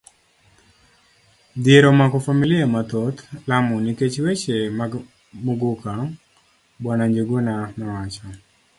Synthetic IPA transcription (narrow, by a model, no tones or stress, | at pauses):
d̪jeɾɔmakɔfamilɪamat̪ot̪lamɔniket͡ʃwet͡ʃema | muɡuka | bwanaɲd͡ʒeɡonamawat͡ʃɔ